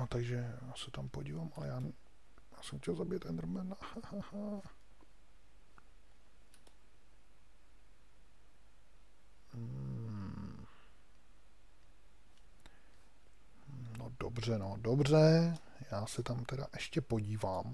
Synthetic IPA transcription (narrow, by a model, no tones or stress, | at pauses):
not̪aɡʒɛjaːsɛt̪ampoɟiːvaːmʔalɛ̰jaː | jaːsɛmxcʲɛlzabɪjɛt̪ʔɛnd̪ɾ̩mɛnahahaha | no̰do̰br̝ɛnodobr̝ɛ | jaːsɛt̪amt̪ɛda̰ʔɛʃcɛpo̞ɟiːvaːm